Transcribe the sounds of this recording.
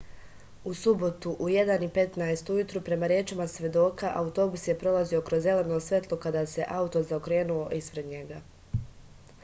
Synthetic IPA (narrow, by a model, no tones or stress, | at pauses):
usubo̞t̪uʔuje̞d̪anipe̞t̪naest̪ujut̪ɾupɾe̞maɾje̞ːt͡ʃimasʋʲje̞d̪o̞ːkaʔaut̪o̞busje̞pɾo̞lazio̞kɾozːe̞le̞no̞sʋʲe̞t̪lˠo̞kad̪aːse̞ʔaut̪o̞zaokɾe̞ːnuo̞ʔispɾe̞d̪ɲe̞ɡa